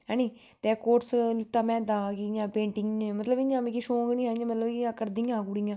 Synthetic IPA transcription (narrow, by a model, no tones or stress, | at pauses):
ɦɛːnĩː | t̪eːkoːʈslɪt̪ːaːmɛ̃ːd̪aːkijãːpẽːɳʈɪ̃ŋɡmət̪ləbɪãːmẽkiʃõːɡnĩːɦaːãmət̪ləbiãːkəɾd̪iːãːɡuːɽiãː